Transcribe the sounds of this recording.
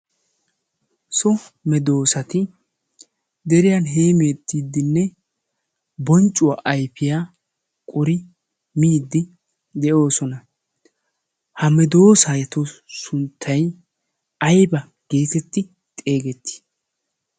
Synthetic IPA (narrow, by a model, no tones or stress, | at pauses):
sɔmɛd̪o̞ːsɐt̪ɪ | d̪ɛɾɪjɐnɦe̞ːmeːt̪ːiːd̪ːɪnːɛ | bɔnt͡ʃʼːʊwaːʔɐjpɪjaː | kʼɔɾɪ | miːd̪ːɪ | d̪ɛʔo̞ːsɔnɐ | hɐmɛd̪o̞ːsaːjɛt̪osʊnt̪ʰːɐj | ɐjbɐ | ɡ̥e̞ːt̪ɛt̪ːɪ | t̪ʼe̞ːɡɛt̪ːɪ̥